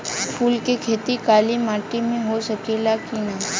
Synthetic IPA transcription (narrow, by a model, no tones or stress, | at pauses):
pʰuːlkekʰeːt̪ikaːlimaːʈimẽɦosɐkelakinaː